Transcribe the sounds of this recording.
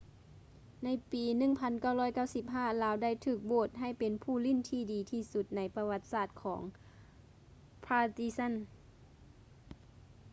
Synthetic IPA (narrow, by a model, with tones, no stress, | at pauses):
na˧˥˨jpiː˨˧nɯ˧˩˨ŋpʰa˧˥nka˧˥˩wlɔː˧˥˩jka˧˥˩wsi˧˦p̚ɦaː˧˥˩laː˨˦˥wda˥˩˨jt̪ʰɯː˧˩k̚boː˧˩t̪̚ɦa˧˩jpe˨˦npʰuː˧˩˨li˧˥˨nt̪ʰiː˧˩diː˨˦t̪ʰiː˧˩su˧˦t̪̚na˧˥jpa˧wa˧˥t̪̚saː˧˩t̪̚kʰɔː˩˦ŋ | pʰaː˧t̪i˧sa˧˥˨n